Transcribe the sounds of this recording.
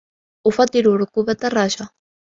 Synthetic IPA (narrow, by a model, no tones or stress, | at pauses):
ufat̪iɾuɾkuβɛt̪araʃa